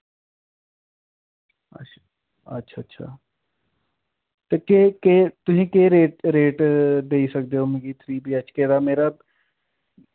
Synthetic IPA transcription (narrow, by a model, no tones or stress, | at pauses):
ɐ̰ | ɐ̰tːʃʰaːɐtːʃʰa̰ː | t̪ekeket̪ʊɦĩkeɾeːʈɾeːʈd̪eːisɐk̚d̪eɦomeɡit̪ʰɾiːbʱiɐt͡ʃkeːɾameːɾa